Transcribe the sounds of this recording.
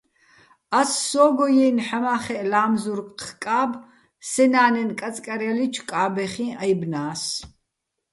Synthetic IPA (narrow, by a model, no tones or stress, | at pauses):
asːɔːɡɔjɛnħamaːχɛʔlaːmzuɾqkʼaːb | sɛnaːnɛnkʼat͡sʼkʼaɾalit͡ʃʰkʼaːbɛχĩajbnaːs